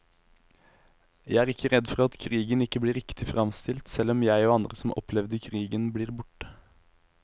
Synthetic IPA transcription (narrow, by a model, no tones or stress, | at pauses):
jæɪæːʁɪkːəɾɛd̪fɔɾɑt̪kʰʁiːɡənɪkːəbliːɾɪkt̪ɪfɾɑmst̪ʰɪlt̪sɛlːɔmjæɪoːɑnd̪ɾəsɔm̩ʔɔ̰pʰlɛʋd̪əkʰɾiːɡənbliːʁbʊʈːə̥